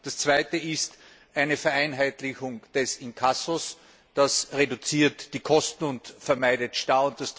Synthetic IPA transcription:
d̥ast͡sv̥aɪtəɪst | ʔæɪnəfɛɐæɪnɦæɪtlɪçʊŋd̥ɛsɪnkʰasos | d̥asʁedʊt͡siːɐtd̥iːkʰɔstn̩ʊntfɛɐmaɪdətʃtaːʊnt̚d̥ast

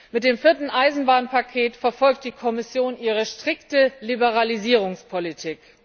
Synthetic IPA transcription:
mɪt̚d̥eːmfɪɐtn̩ʔaɪzn̩baːnpʰakʰeːtfɛɐfɔlk̚t̚d̥iːkʰɔmɪsjoːnʔiːʁəʃtʁ̥ɪktəlibəʁaliziːʁ̞ʊŋspʰolitʰiːk

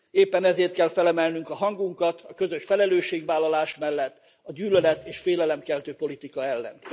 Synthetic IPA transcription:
eːpːɛnɛzeːrt̪̚kɛlfɛlɛmɛlnyŋkɒɦɒŋɡuŋkɒt̪ɒkø̞zøʃfɛlɛløːʃːeːɡʋaːlːɒlaːʃmɛlːɛt̪ː | ɒɟyːlølɛt̪eːʃfeːlɛlɛmkɛlt̪øːpo̞lit̪ikɒɛlːɛ̰n

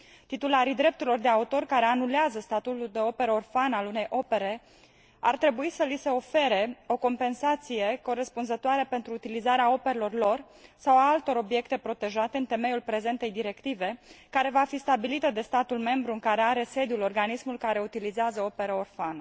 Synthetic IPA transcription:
t̪it̪ulaɾid̪ɾe̞p̚t̪uɾilo̞rd̪e̞aut̪o̞rkaɾe̞anuleazəst̪at̪ut̪uld̪e̞o̞pe̞ɾəorfanəalune̞jʔo̞pe̞ɾe̞ | a̰rt̪ɾe̞buisəlise̞o̞fe̞ɾe̞o̞ko̞mpe̞nsat̪sije̞ko̞ɾespunzət̪oaɾepe̞nt̪ɾuːt̪ilizaɾeao̞pe̞ɾelo̞rlo̞r | sawaalt̪o̞ɾo̞bije̞kt̪e̞pɾo̞t̪e̞ʒat̪e̞ɨnt̪e̞me̞julpɾe̞ze̞nt̪e̞jd̪iɾe̞kt̪ive̞kaɾe̞vafist̪abilit̪əd̪e̞st̪at̪ulme̞mbɾuɨŋkaɾe̞aɾe̞se̞d̪julo̞rɡanismulkaɾe̞ut̪ilizeazəo̞pe̞ɾəorfanə

